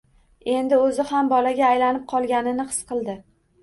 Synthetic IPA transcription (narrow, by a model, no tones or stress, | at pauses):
e̞nd̪ɪɵzɪhambɒlaɡʲaːjlanɪp̚qʰɒlˠɡʲanɪnɪhɨ̥sqʰɨlˠd̪ɪ